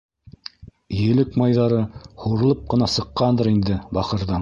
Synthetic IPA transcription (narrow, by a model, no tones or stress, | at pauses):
jɘ̆lɘkmɑjðɑɾɤhuɾɤ̆lˠɤp̚qɤ̆nɑsɤ̆qːɑnd̪ɤɾind̪ɘbɑqɤ̆ɾðɑɴ